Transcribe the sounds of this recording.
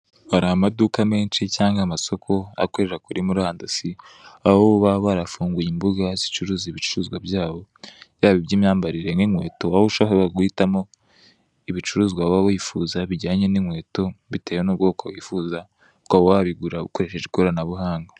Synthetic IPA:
haɾahamadukame̞ːnt͡ʃicaːŋɡamaso̞kʰo̞a̰koɾeɾakuɾʔimuɾaːndasi | ahoβaβaɾafuːŋɡujimbuɡazi̥t͡ʃuɾuːziβit͡ʃuɾuːzɡwabɟaːβo̞jaːβibɟiːmɲaːmbaɾiɾe̞ŋiŋwe̞̰ːto̞waoʃaɦoβaɡwitamo̞ | iβit͡ʃuɾuːzɡwaβaβojifuːzaβiɟaːɲe̞niŋwe̞ːto̞βite̞ːjonuːb̚ɡo̞ːkaβwifuːza | kaβowaβiɡuɾaβṵkoɾe̞ʃe̞ʒekoɾanaβuɦaːŋɡa

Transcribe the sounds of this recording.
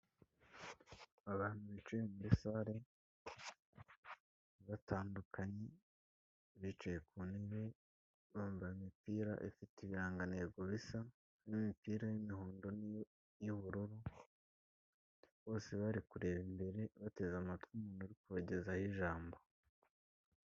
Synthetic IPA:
aβaːn̥huβit͡ʃujemuβisaɾe̞ | βatʰaːndukʰaɲe̞ | βit͡ʃujekʰuneβe̞ | βaːɱvaimipiːɾa̰ʔifitiβiɾaːŋɡaneːɡoβisa | βimipiːɾajimiɦoːndo̞n | juβuɾuɾu | βo̞ːse̞βaɾikuɾe̞ːβimbe̞ɾe̞βate̞zamatkumunuɾikuβaɟe̞zahiʒaːmbo

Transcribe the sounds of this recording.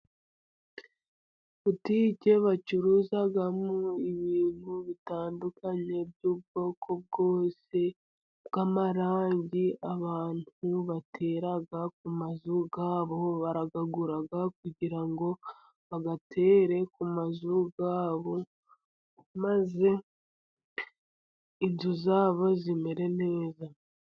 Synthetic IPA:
βutiːɟe̞βat͡ʃuɾuzaɡamuiβiːn̥huβitaːndukaɲe̞bjuːbɡo̞ːkʰo̞b̚ɡoːse̞ | bɡamaɾaːɲɟiaβaːn̥huβatʰe̞ːɾaɡak̚umazuɡaːβo̞βaɾaɡaɡuɾaɡak̚uɟiɾaŋɡo̞ | βaɡatʰe̞ːɾe̞kumazuɡaːβo̞ | maze̞ | inzuzaːβo̞zime̞ɾe̞ne̞ːza

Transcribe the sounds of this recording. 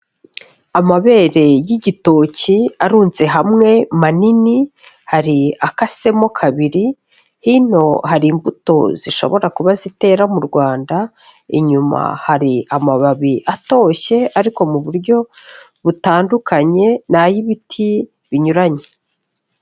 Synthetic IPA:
amaβe̞ːɾe̞jiɟito̞ːciaɾuːnze̞ɦamŋe̞manini | haɾiakase̞mo̞kʰaβiɾi | hino̞haɾiːmbuto̞̰z̥iʃo̞̰βo̞ɾakuβazite̞ːɾamuɾɡwaːnda | ḭɲuma̰haɾiamaβaβiʔato̞çe̞aɾiko̞muβuɾɟo̞ | βutaːndukʰaɲe̞najiβitʰi | βiɲuɾaɲe

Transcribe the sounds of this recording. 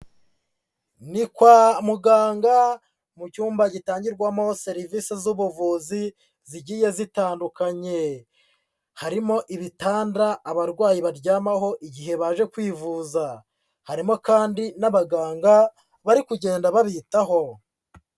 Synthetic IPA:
nikwamuɡaːŋɡa | mucuːmbaɟitaːɲɟiɾɡwamo̞se̞ɾivisezuβuvuːzi | ziɟiːje̞zitaːndukaɲe̞ | haɾimo̞ʔiβitaːndaːβaɾɡwaːjiβaɾɟaːmaho̞ʔiɟiɦe̞βaːʒe̞kwiːvuːza | haɾimo̞kaːndinaβaɡaːŋɡa | βaɾikuɟe̞ːndaβaβitaɦo̞

